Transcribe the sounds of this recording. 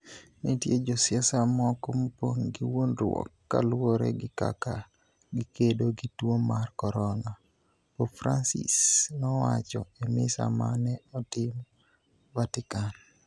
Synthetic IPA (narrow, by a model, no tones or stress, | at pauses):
nitjed͡ʒɔsɪasamɔkompoŋɡiwonrwɔ̰kːa̰lwoɾɛ̰ɡɪka̰ka | ɡikedoɡitwomarkɔɾɔna | pofɾansḭsnɔwat͡ʃɔemɪsa̰manɛɔtɪm | vatɪkan